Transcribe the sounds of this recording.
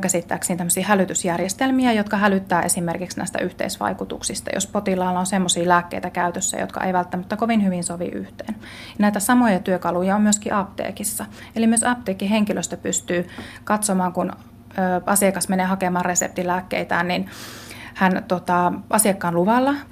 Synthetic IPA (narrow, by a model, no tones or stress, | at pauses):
kæsit̪ːæ̰ːksint̪æmːøsiːhælyt̪ysjærjest̪elmiæjot̪kɑhælyt̪ːæːʔesimerkiksnæ̰ist̪æ̰ʔyht̪ḛisʋɑ̰ikut̪ṵksist̪ɑ̰jo̰spot̪ilɑːlːɑonsemːosiːlæːkːḛit̪ækæyt̪øsːæ̰jo̰t̪kɑ̰ʔḛjʋælt̪ːæmæt̪ːækoʋinhyʋinsoʋḭʔy̰ht̪eːn | jɑnæˑjt̪æsɑmojɑt̪yøkɑlujɑommyøskiʔɑpt̪ḛːkisːɑelimyøsɑp̚t̪eːkːiɦeŋkiløst̪æpyst̪yːkɑt̪somɑːŋkun | øːɑsiɑkɑsmeneːhɑkemɑːresḛp̚t̪ilæːkːḛit̪æːnnin | hænt̪ot̪ɑɑsiekːɑːnluʋɑlːɑ